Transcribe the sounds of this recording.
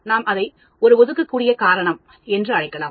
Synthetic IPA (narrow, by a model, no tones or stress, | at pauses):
naːmʔɐðɐɪ | ɔɾɯɔðɯkːɐkːuːɽɪjɐkaːɾɐɳɐm | ɛndrɯɐɻɐɪkːɐlaːm